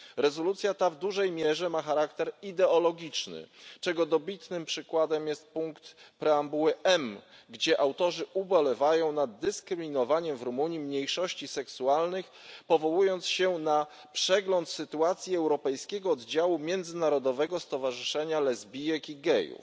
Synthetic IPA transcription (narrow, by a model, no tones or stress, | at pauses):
ɾɛzɔlut̪sʲjat̪avd̪uʐɛjmʲjɛʐɛmaxaɾakt̪ɛɾid̪ɛɔlɔɡʲit͡ʂnɘ̰t͡ʂɛɡɔd̪ɔbʲit̪nɘmpʂɘkwad̪ɛmjɛst̪̚puŋkt̪pɾɛambuwɘʔɛmɡd͡ʑɛʔawt̪ɔʐɘʔubɔlɛvajɔ̃w̃nad̪̚ːɘskɾɘmʲinɔvaɲɛmvɾumuɲjimɲejʂɔɕt͡ɕisɛksualnɘxpɔvɔwujɔnt̪sɕɛna | pʂɛɡlɔnt̪sɘt̪uat̪sʲjiɛwɾɔpɛjskʲɛɡɔːd̪d͡ʑawumʲjɛnd̪zɘnaɾɔd̪ɔvɛɡɔst̪ɔvaʐɘʂɛɲalɛzbʲijɛkiɡɛjṵf